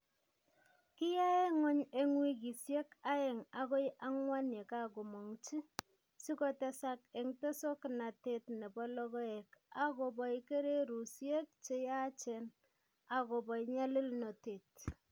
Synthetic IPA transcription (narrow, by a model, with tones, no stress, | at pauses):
kɪ˦ja˦e˦ŋɔ˦ɲe˦ŋwi˦k̬i˨sje˦ka˦e˨ŋa˦ko˦jʔa˦ŋwa˦nje˨ka˦ko˨mɔ˨ŋt͡ʃi˦ | si˦kɔ˦tɛ˦sa˦ke˨ŋte˦so˦kɪ˨na˨te˨tne˨bɔ˦lɔ˦ɣɔ˦e˨ka˦ko˨bɔ˨˦ke˦ɾe˦ɾu˨sje˦k̚t͡ʃe˦ja˦t͡ʃɛ˨n | a˨ko˨bɔ˨˦ɲa˦li˦lnɔ˨te˨t̚